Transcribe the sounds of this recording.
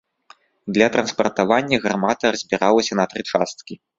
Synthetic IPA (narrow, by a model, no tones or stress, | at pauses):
d̪lʲɐt̪ɾɐnspɐrt̪avanʲːɐɣɾamat̪ɐrɐzʲbʲiɾalˠɐsʲɐnɐt̪ɾɨt͡ʂast̪kʲi